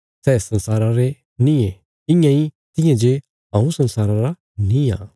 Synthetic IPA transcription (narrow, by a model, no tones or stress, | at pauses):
sɛːsɐ̃nsaːɾãɾe | nĩẽ | ɪ̃jãi | t̪ɪ̃jãd͡ʒe | ɦãːũsɐ̃nsaːɾãɾa | nĩã̰ː